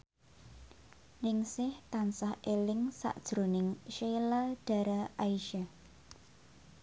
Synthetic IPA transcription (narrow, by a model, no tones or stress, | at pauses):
lɪŋsɪht̪ansahelɪŋsa̰ʔd̥ʒ̥ɾonɪŋʃelaɖ̥a̤ɾaʔaiʃa